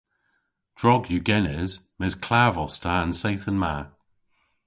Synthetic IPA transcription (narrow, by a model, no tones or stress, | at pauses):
d̥ɹɔɡjʉɡɛnɪzmɪzkʰl̥aːvɔstʰəə̃nseɪθənmaː